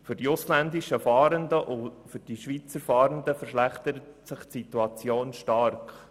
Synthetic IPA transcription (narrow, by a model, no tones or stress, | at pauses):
fʏɾdiʊslænd̪iʃəfɑːɾəndəʔʊfʏɾd̥iʃʋit͡səɾfɑːɾənd̪əfəɾʃlæχt̪əɾətsɪχtsit̪uɑt͡sjoːnʃtɑɾk